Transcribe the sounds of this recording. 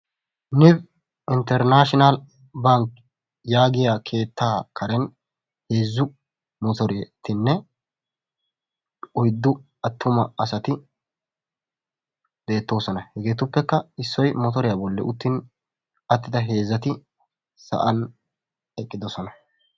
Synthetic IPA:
nɪb | ɪnt̪ɛɾnaːʃɪnal | bɐŋk | jaːɡɪjakʰe̞ːt̪ʰːaːkɐɾɛn | he̞ːzːʊ | mɔt̪ɔɾet̪ɪnːɛ | ɔjd̪ːʊ | ɐt̪ːʊmɐɐsɐt̪ɪ | b̪e̞ːt̪ːo̞ːsɔnɐhɛɡe̞ːt̪ʊpːɛkːɐɪsːɔjmɔt̪ɔɾɪjabɔlːɛ̰ʔʊt̪ːɪn | ɐt̪ːɪd̪ɐɦe̞ːzːɐt̪ɪ | sɐ̰ʔɐn | ɛkʼːɪd̪ɔsɔnɐ

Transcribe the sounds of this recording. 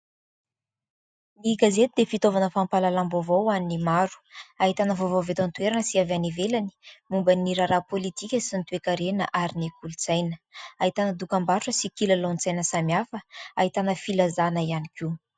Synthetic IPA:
niɡazet̪ud̪efit̪ovanəfampalalambovowaninimaɾu̥aɦit̪anəvovovet̪ant̪ueɾanəsiavanevelani̥mumbəniɾaɾapolit̪ikʲəsint̪uekaɾenə̰ʔaɾinekulut͡sajnə̥aɦit̪anəd̪ukambaɾuʈ͡ʂəsikilalont͡sajnəsamjafəaɦit̪anəfilazanəianikʲʰu

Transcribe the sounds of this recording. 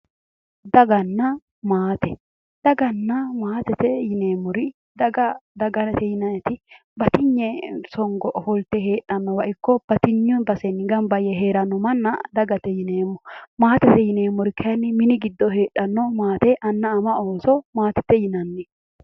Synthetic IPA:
d̪ɐɡɐnːɐ | maːt̪ɛ | d̪̥ɐɡɐnːɐmaːt̪ɛt̪ɛjɪneːmːɔɾɪ | d̪ɐɡɐd̪ɐɡɐɾɐt̪ɛjɪnɐjɛt̪ɪ | bɐt̪ɪɲːɛsɔŋɡɔʔɔfɔlt̪ːɛɦe̞ːᶑːɐnːɔwɐʔɪkːɔb̥ɐt̪ɪɲːʊnbɐsɛnːɪɡɐnbɐjɛɦeːɾɐnːɔmɐnːɐd̪ɐɡɐt̪ɛjɪneːmːɔmaːt̪ɛt̪ɛjɪneːmːɔɾɪkʰɐjɐnːɪmɪnɪɡɪd̪ːɔhe̞ːɗːɐnːɔmaːt̪ɛʔɐnːɐːmɐoːsɔmaːt̪ɛ̥t̪ːɛjɪnɐnːɛ

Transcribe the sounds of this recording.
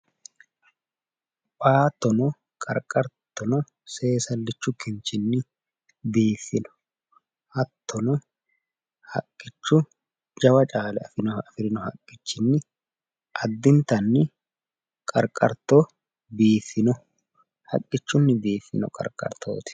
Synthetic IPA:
pʼaːt̪ːɔnɔ | kʼɐ̰ɾkʼɐɾt̪ːɔnɔ | se̞ːsɐlːɪt͡ʃːʊkɪnt͡ʃɪnːɪ | biːfːɪnɔ̥ | hɐt̪ʰːɔnɔ | hɐ̰kʼːɪt͡ʃːʊ | d͡ʒɐwɐt͡ʃʼaːlɛɐfɪnɔɐfɪɾɪnɔhɐ̰kʼːɪt͡ʃːɪnːɪ | ʔɐd̪ːɪnt̪ɐnːɪ | kʼɐɾkʼɐ̰ɾt̪o | biːfːɪnɔ | hɐ̰kʼːɪt͡ʃːʊnːɪbiːfːɪnɔ̰kʼɐ̰ɾkʼɐ̰ɾt̪ʰo̰ːt̪ɪ̥

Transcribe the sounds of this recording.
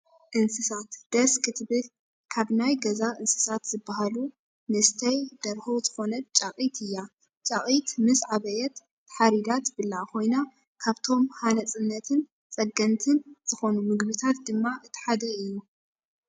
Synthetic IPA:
ʔɨnsɨsat̪d̪̥ɐskʰɨt̪ʰbɨl | kʰaβnajɡɐzaʔɨnsɨ̥sat̪z̥ɨbːaɦalu | nɨst̪ʰɐjd̪̥ɐɾhozɨxo̞nɐt̪̚t͡ʃʼaqʼit̪ʰɨjːa | t͡ʃʼaχʼit̪mɨsʕaβɐjɛt̪ | ħaɾid̪at̪bɨlːakʰo̞jna | kʰaβt̪ʰo̞mhanɐt͡sʼɨnːɐt̪ʰɨn | t͡sʼɐɡɐnt̪ʰɨnz̥ɨxo̞numɨɡbit̪ʰat̪̚d̪ɨmːaʔɨt̪ʰːħad̪ɐɨjːu

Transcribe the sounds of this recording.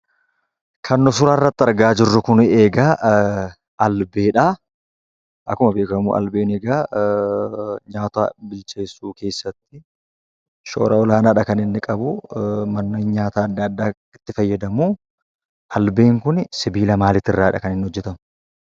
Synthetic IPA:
kʰɐnːɔsʊɾarːɐt̪ːɪɐɾɡaːd͡ʒɪrːʊkʊneːɡaː | ɐlbeːᶑaː | ʔɐkːʊmɐbe̞ːkɐmṵːʔɐ̰lbeːneːɡaː | ɲaːt̪a̰bɪlt͡ʃe̞ːsːuːke̞ːsːɐt̪ːɪ | ʃo̰ːɾɐɔlaːnaːᶑɐkɐnɪnːɪkʼɐbʊmɐnːoːɲːaːt̪aːɐd̪ːɐɐd̪ːaː | ɪt̪ːɪfɐjːɐd̪ɐmuː | ʔɐlbe̞ːŋkʊnsɪbiːlɐmaːlɪt̪ːɪrːaːɪᶑɐkɐnɪnːɪhɔd͡ʒːɛt̪ɐmʊ

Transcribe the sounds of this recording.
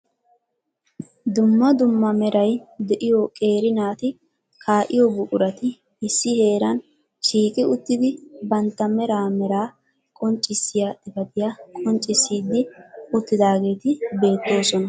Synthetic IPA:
d̪ʊmːɐd̪ʊmːɐmɛɾɐjd̪ɛʔɪjɔkʼe̞ːɾɪnaːt̪ɪ | kʰaːʔɪjɔbʊkʼʊɾɐt̪ɪ | ɪsːɪhe̞ːɾɐn | ʃiːkʼɪʊt̪ːɪd̪ɪbɐnt̪ːɐmɛɾaːmɛɾaː | kʼɔnt͡ʃʼːɪsːɪjadɪbɐd̪ɪjakʼɔnt͡ʃʼːɪsːiːd̪ːɪʊt̪ːɪd̪aːɡe̞ːt̪ɪbe̞ːt̪ːo̞ːsɔnɐ

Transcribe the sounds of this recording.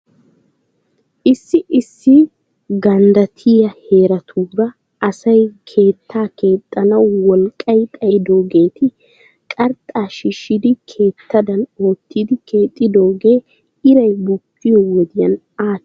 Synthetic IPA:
ʔɪsːɪʔɪsːɪ | ɡɐnd̪ɐt̪ʰɪjɐhe̞ːɾɐt̪ʰuːɾɐ | ɐsɐjkʰe̞ːt̪ʰːaːke̞ːt̪ʼːɐnɐwwɔlkʼːɐjt̪ʼɐjɪd̪o̞ːɡe̞ːt̪ɪ | kʼɐɾt̪ʼːaːʃɪʃɪd̪ɪkʰe̞ːt̪ʰːɐd̪ɐno̞ːt̪ːɪd̪ɪkʰe̞ːt̪ʼːɪd̪o̞ːɡe̞ː | ɪɾɐjbʊkːɪjɔwɔd̪ɪjɐn | aː

